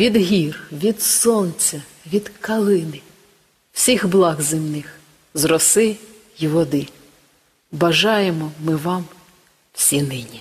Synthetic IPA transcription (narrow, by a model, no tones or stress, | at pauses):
ʋʲid̪ɦʲirʋʲid̪sɔnt͡sʲɐ | ʋʲid̪kɐlˠɪnɪ | w̥sʲixblˠɑɣzɪmnɪx | zrɔsɪ | iʋɔd̪ɪ | bɐʒɑjemɔmɪʋɑm | w̥sʲinɪnʲi